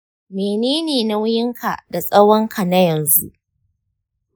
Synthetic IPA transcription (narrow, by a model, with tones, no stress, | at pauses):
meː˨neː˦neː˨na˦wʊ˦jɪ˦ŋkʰa˨da˨sʼɐ˦wɔ˦ŋkʰa˨na˦jɐ˨nzu˦ʔ